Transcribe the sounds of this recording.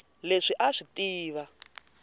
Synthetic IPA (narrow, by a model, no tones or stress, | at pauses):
leʂiʔaʂitiːβa